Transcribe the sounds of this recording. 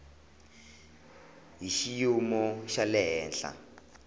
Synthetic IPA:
ɦiʃijumɔʃalɛɦɛːnɬa̰

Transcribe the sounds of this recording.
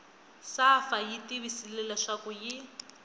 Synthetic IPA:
safajitiβisilɛlaʂakuji

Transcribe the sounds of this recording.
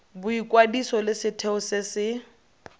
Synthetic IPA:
bʊikʼwadisɔlɪsɪtʰɛʊsɪsɪ

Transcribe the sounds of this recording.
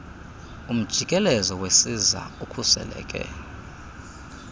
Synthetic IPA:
um̩d̥ʒ̥ʱikʼɛlɛzɔwesiza̰ukʰusɛ̰lɛ̰ːkʼɛ̰

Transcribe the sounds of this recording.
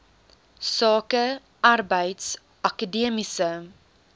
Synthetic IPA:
sɑːkə | ɐrbəjts | ʔɐkədiəmisə

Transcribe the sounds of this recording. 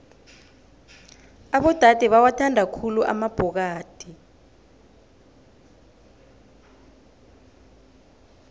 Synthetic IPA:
aɓɔd̥ʱad̥ʱɛɓawatʰandʱakʰuluʔa̰mab̥ʱɔk̬aːd̥ʱi

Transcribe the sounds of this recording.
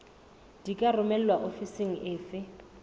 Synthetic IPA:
d̥ikʼarʊmɛl̩lwaʔofiseŋ̩ʔɪːfɪ

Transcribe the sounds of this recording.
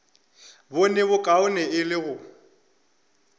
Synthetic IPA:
bʊnɛβʊkʼaʊnɛɪlɪɣʊ

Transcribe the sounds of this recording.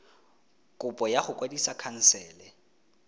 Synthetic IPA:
kʼʊpʼɔjaχʊkʼwadisakʰan̩sɛːlɛ

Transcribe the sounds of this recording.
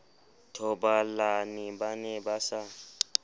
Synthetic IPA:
tʰɔɓalaniɓanɛɓasa

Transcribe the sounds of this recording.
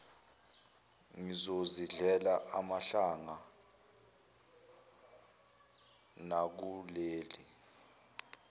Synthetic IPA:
ŋizoziɮɛlaʔamaɬaŋa | nak̬uleːli

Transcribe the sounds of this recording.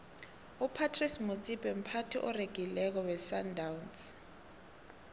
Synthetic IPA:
upʰatʰrismut͡sʼibʼɛm̩pʰatʰiʔɔreɡ̥ʱilɛk̬ɔwɛsandʱawns

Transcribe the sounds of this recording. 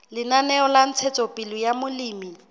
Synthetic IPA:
lɪnanɛɔlan̩t͡sʰɛt͡sʼɔpʼɪlɔjamʊliːmi

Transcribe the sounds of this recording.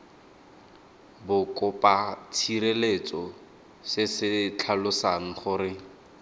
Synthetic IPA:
bʊkɔpat͡sʰiɾelet͡sɔ | sɪsɪt͡ɬʰalʊsaŋ̩χʊɾɪ

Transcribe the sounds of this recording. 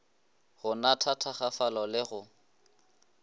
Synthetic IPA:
hʊnatʰatʰaχafalɔlɪɣʊ

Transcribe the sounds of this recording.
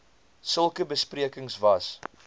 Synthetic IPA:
səlˠkəbəspriəkəŋsvɐs

